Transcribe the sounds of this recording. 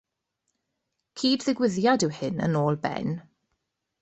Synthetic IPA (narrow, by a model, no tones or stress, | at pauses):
kʰiːdðɪɡwɪðjadɪwhɪnə̰noːlˠbɛ̰n